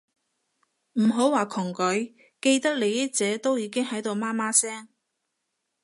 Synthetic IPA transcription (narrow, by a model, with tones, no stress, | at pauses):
m̩˨˩ɦo˨˥waː˨˩kʰʊ˨˩ŋkɵ˨˥ɥ | ke˧jt̪ɐ˥k̚le˨˧jɐ˥t͡sɛː˨˥t̪o˥wjiː˨˧kɪ˥ŋhɐ˨˥jt̪o˨˧wmaː˥maː˥sɛː˥ŋ